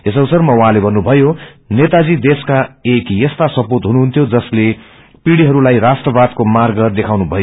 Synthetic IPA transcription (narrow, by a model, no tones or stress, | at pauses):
esʌwsʌrmʌwuɦãlebʱʌnːubʱʌjo | net̪ad͡zid̪eskaekjest̪asʌpot̪ɦunuɦunt̪ʰjod͡zʌsle | piɽiɦʌɾulajrasʈrʌbad̪̚komarɡɡʌrd̪ekʰawnubʱʌjo